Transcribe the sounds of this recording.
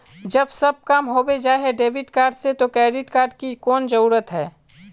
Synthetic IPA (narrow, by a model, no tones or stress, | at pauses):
d͡ʒəbsɐb̚kaːmɦoːbed͡ʒaːeɦɛɖeːʋɪʈkaːɾɖset̪okɾɛːɖɪʈkaːɾɖkikɔːnd͡ʒəɾuːɾət̪ɦɛː